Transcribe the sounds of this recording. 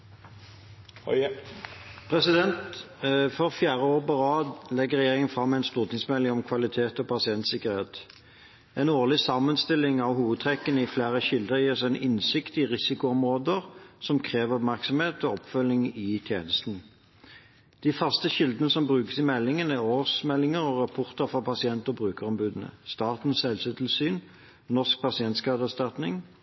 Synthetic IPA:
pʰʁɛsɪd̪ɛnt̪ | fɔʁfjæːʁəoːʁpɑʁɑːd̪lɛɡəʁɛjeːʁɪŋənfʁɑmːɛæɪnst̪uːʁt̪ʰɪŋsmɛlːɪŋɔmkʰʋɑlɪt̪ʰeːt̪ɔpɑsɪɛnt̪sɪkəʁheːt̪ | ɛnoːʁlɪsɑmənst̪ɪlːɪŋɑʋɦuːʋəd̪̚t̪ʰʁɛkːənəɪflæːʁəçɪld̪əʁjiːʁsɛɪnɪnsɪkt̪ɪʁɪsɪkʊɔmʁoːd̪əʁsɔmkʰʁeːʋəʁɔpmæʁksɔmheːt̪ɔɔpfœlːɪŋɪt̪ʰjeːnəst̪n̩ | d̪̥iːfɑʁst̪əɕɪld̪ənəsɔmbʁʉːkə̥sɪmɛlːɪŋənæʁoːsmɛlːɪŋəʁɔʁɑpʰɔʁt̪əfɔpɑsɪɛnt̪ɔbʁʉːkəʁɔmbʉːd̪ənə̰st̪ɑːt̪n̩sɛlsɛt̪ʰlsyːn | nɔsk̚pʰɑsɪɛnt̪skɑːt̪əæst̪ɑt̪nɪŋ

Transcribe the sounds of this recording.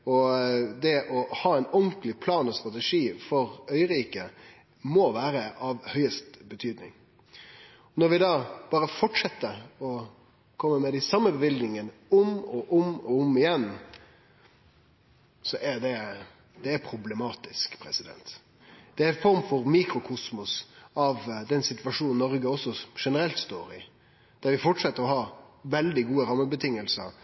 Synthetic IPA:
ɔd̪ɛʔɔhɑːɛɪnɔŋklɪpʰlɑːnɔst̪ʁɑt̪ɛʂiːfɔɾœʏəɾiːkə | mɔʋæːɾəʔɑʋhœʏəst̪bət̪ʰyːd̪nɪ̰ŋ | ɔnɔɾʋɪd̪ɑːb̥ɑːɾəfɔʈʂɛt̪ːəɔ | kʰɔmːəmɛd̪æsɑmːəbəʋɪlɡ̪nɪŋənʊmɔʔʊmɔʊmɪjɛnː | sɔʔæd̪ɛ | d̪̥ɛæɾpʰɾʊblɛmɑːt̪ɪskpʰɾɛsɪd̪ɛ̰nt̪ | d̪̥ɛæɾɪfɔɾmfɔɾmiːkɾʊkʰʊsmʊsɑʋd̪ɛnsɪt̪ʋɑʂuːnnɔɾɡəɔsːɔʂɛnəɾɛlt̪st̪o̰ːɾɪ | d̪̥æɾʋɪfɔʈʂɛt̪ːəɾɔhɑʋɛld̪ɪɡuːəɾɑmːəbət̪ʰɪŋːəlsə̰ɾ

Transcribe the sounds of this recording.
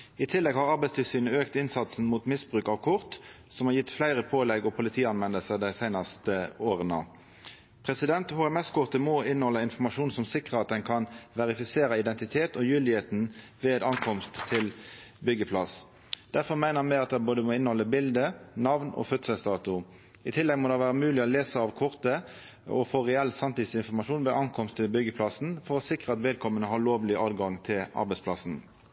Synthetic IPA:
ɪt̪ʰɪlːɛɡhɑʁɑɾbæɪst̪ʰɪlsyːnəøːkt̪ɪnsɑt̪sn̩muːt̪mɪsbʁʉːkɑʋkʰʊʁt̪ | sɔmhɑːɾjɪt̪ːflæɪʁəpʰoːlɛɡɔpʰʊlɪt̪ʰiːɑnʋɛnːəlsəʁd̪æɪsæɪnɑst̪əoːʁənə̰ | pʰʁɛsɪd̪ɛnt̪huːɛmɛskʰʊʁt̪əmɔɪnːhɔlːəɪnfɔmɑʃuːnsɔmsɪkʁəɑt̪̚d̪ɛnkʰɑnʋɛʁɪfɪseːɾəɪd̪ɛnt̪ɪt̪ʰeːt̪ɔjʉːld̪ɪheːt̪n̩ʋeːd̪ɑŋkʰɔmst̪ʰːɪlbʏɡəpʰlɑs | d̪̥æʁfɔʁmæɪnəʁɑnmæɪɑt̪̚d̪ɛboːd̪əmɔɪnhɔlːəbɪld̪ənɑʋnɔ̰fœt̪səst̪ɑːt̪ʊ | ɪt̪ʰɪlːɛɡmɔːd̪ɛʋæːʁəmʉːlɪɔleːsəɑʋkʰɔʁt̪ə | ɔ̰foːʁɛɛlsɑmt̪ɪt̪sɪnfɔʁmɑʂuːnʋeːʔɑŋkʰɔmst̪ʰːɪlbʏɡːəpʰlɑsn̩fɔʁɔsɪkʁəɑt̪ʋeːd̪̚kʰɔmːənəɦɑʁɭoːʋlɪʔɑːd̪ɡɑŋt̪ʰɪlɑ̰ɾbɛɪspʰlɑsn̩

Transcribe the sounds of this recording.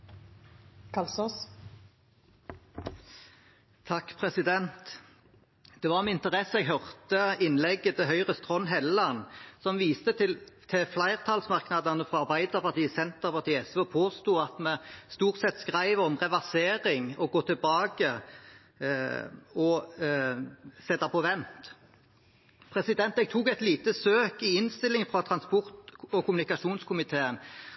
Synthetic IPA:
kʰɑlsɔs | t̪ʰɑkːpʰʁɛsɪd̪ɛnt̪ | d̪̥ɛʋɑʁmɛɪnt̪əʁɛsːəɛɡɦœʁt̪əɪnlɛɡːəɛɦœʏʁəst̪ʁɔnɦɛlːɑnsɔmʋiːst̪ət̪ɪlt̪ʰɪflæɪʁt̪ʰɑlsmɑʁknɑd̪ɑnəfʁɑɑʁbæɪd̪əʁpɑʁt̪iːsɛnt̪əʁpɑʁt̪iːəɛsʋeɔpʰoːst̪uːɑt̪mɛst̪uːʁt̪sɛt̪ːskʁæɪʋəɔmʁɛʋɑʁseːɾɪŋɔɡoːt̪ʰɪlbɑːɡə | ɔ | sɛt̪ːɑpʰɔʋɛnt̪ | pʰʁɛsɪd̪ɛnt̪ɛɡ̚t̪ʰuːkɛɪt̪liːt̪əsøːkɪɪnst̪ɪlɪŋəfʁɑt̪ʰʁɑnspɔʁt̪ɔkʊmʉnɪkɑʃuːnskʰʊmɪt̪ʰeːən

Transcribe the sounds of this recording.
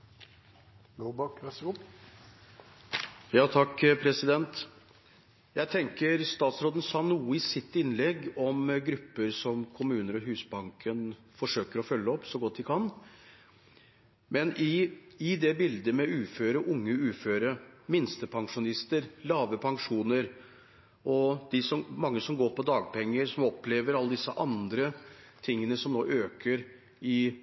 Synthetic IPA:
lobɑk | jɑːt̪ʰɑkːpʰɾɛsɪd̪ɛnt̪ | jæɪt̪ʰɛŋkəɾst̪ɑːt̪sɾoːd̪n̩sɑːnuːəɪsɪt̪ːɪnlɛɡɔmɡɾʉpːəɾsɔmkʰʊmʉːnəɾɔɦʉːsbɑŋkʰən | fɔʂøːkəɾɔfœlːəɔpːsɔɡɔt̪̚d̪ɪkʰɑn | mɛnʔɪɪd̪ɛbɪld̪əmɛʉːføːɾəʔʊŋːəʉːføːɾəmɪnst̪əpʰɑŋʂʊnɪst̪əɾlɑːʋəpʰɑŋʂuːnəɾ | ʔɔd̪̥ɪsɔmmɑŋːəsɔmɡoːɾpʰɔd̪ɑːɡ̚pʰɛŋːəɾsɔmɔpleːʋəɾɑlːəd̪ɪsːəʔɑnd̪ɾə | t̪ʰɪŋːənəsɔmnoːʔøːkʰəɾ | ɪ

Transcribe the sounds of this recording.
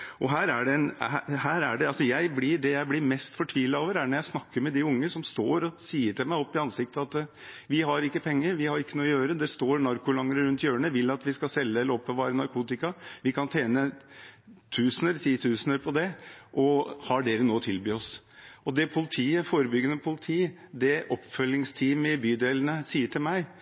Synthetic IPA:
ʔɔɦæːɾæɖɛɛnɦæːɾæɖɛɑlsɔjæɪblɪɖɛjæɪblɪɾmɛst̪fɔʈʰʋiːlɑoːʋəɾæɳɔjæɪsnɑkːəɾmɛd̪ɪʊŋːəsɔmst̪oːɾɔsiːəʈʰɪlmæɪɔpːɪɑnsɪk̚t̪əɑt̪ | ʋɪɦɑɾɪkːəpʰɛŋːəɾʋɪhɑɾɪkːənuːɔjøːɾəd̪ɛst̪oːɾnɑɾkʊlɑŋɾəɾʉnt̪jøːɳəʋɪlːɑt̪ʋɪskɑsɛlːəɛləɾɔpːɔʋɑːɾənɑɾkʰuːt̪ɪkɑʋɪkʰɑnt̪ʰeːnə | t̪ʰʉːsnəɾt̪ʰiːt̪ʰʉːsənəɾpʰɔd̪ɛʔɔhɑɖeːɾənoːt̪ʰɪlbyːɔs | ʔɔd̪ɛpʰʊlɪt̪ʰiːəfoːɾəbʏɡːənəpʰʊlɪt̪ʰiː | d̪ɛʔɔpːfœlːɪŋst̪ʰiːmɪbyːd̪eːlənəsiːəʈʰɪlmæɪ

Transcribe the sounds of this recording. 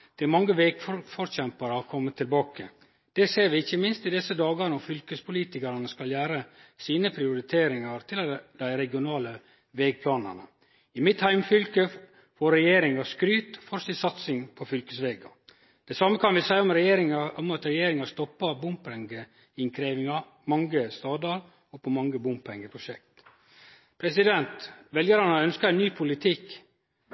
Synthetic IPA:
d̪̥ɛæɾmɑŋːəʋeːɡffɔɾɕɛmpəɾɑkʰɔmːət̪ʰɪlbɑːkə | d̪̥ɛseːɾʋɪɪçːəmɪnst̪ɪd̪ɛsəd̪ɑːɡɑɾnɔfʏlkəspʰʊliːt̪ɪkɑɾɑnəskɑljæːɾəsiːnəpʰɾɪʊɾɪt̪ʰeːɾɪŋɑɾt̪ʰɪld̪̥æɪɾɛɡɪʊnɑːlə | ʋɛːɡ̚pʰlɑːnɑ̰nə̰ | ɪmɪt̪hæɪmfʏlkə | fɔɾːɛjeːɾɪŋɑskɾyːt̪fɔɾst̪ɪsɑt̪sɪŋpʰɔfʏlkəsʋeːɡɑ̰ | d̪̥ɛsɑmːəkʰɑnʋɪsæɪɔmɾɛɾɪŋɔmɑt̪ɾɛjeːɾɪŋɑst̪ɔpːɑbʊmpɛŋɡə | ɪŋkʰɾeːʋɪŋɑ | mɑŋːəst̪ɑːd̪ɑɾ | ɔpːɔmɑŋːəbʊmpɛŋɡəpʰɾʊʃɛkt̪ | pʰɾɛsɪd̪ɛnt̪ʋɛljəɾɑnəœnskəɛnnyːpʰʊlɪt̪ʰɪk

